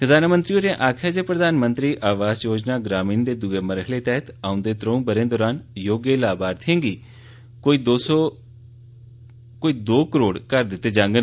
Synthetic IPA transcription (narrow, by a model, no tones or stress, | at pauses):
kəd̪aːnamənt̪ɾioɾẽʔaːkʰaːd͡ʒeːpɾəd̪aːnmə̃nt̪ɾiːʔaːʋaːzjoːd͡ʒnaːɡɾaːmĩːnd̪eːd̪ʊeːməɾəɦleːt̪ɛɦt̪aːʊ̃nd̪eːt̪ɾəũbəɾẽːd̪ɔːɾaːnjoːɡeːlaːbaːɾt̪ʰẽːŋɡiː | koid̪oːs | koːiːd̪oːkəɾoːɽkəɾd̪ɪt̪ːeːd͡ʒãːŋɡən